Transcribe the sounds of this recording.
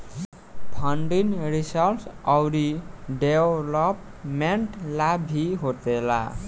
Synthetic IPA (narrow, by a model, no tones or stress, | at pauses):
t̪ʰʌɳɖinrisʌlsʌwɾiɖewlʌp | meɳʈlabʱiɦot̪ela̰